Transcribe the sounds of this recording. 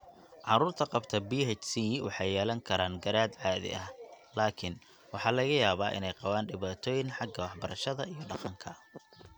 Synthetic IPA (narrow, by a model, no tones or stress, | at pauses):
ʕɑɾuːrt̪ʰɐqɑbt̪ʰɐbiːɦɛt͡ʃsiwɑ̰ħɑjːɛːlɐŋkʰɐɾaːŋɡɐɾaːd̪ʕɑːðɪ̰ʔɐh | laːkʰɪn | wɑħɑːlɐɣɐjaːβaːʔɪ̰nɛjqɑβaːnɖɪβaːt̪ʰɔːjɪnħɑɡɐwɑħbɐɾɐʃɐðɐijɔɖɑqɑŋkʰɐ